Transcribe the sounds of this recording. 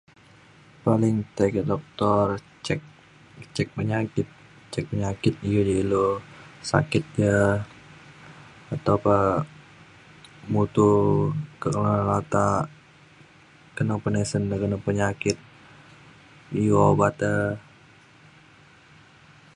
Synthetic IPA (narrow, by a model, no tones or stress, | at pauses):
palɪŋt̪akədɔk̚t̪ɔr | t͡ʃɛk̚ | t͡ʃɛk̚pəɲakɪt̪̚ | t͡ʃɛk̚pəɲakɪt̪̚ijəd͡ʒəilosa̰kɪt̪̚jə | at̪awpə | mut̪ukəkəlalat̪a | kənəŋpənɛsəndəkənəŋpəɲakɪt̪̚ | iwobat̪ə